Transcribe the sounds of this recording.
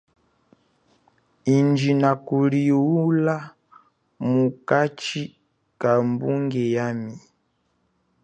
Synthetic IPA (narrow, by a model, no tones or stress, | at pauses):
ind͡ʒinakuliula | mukat͡ʃi | kambuŋɡɛjami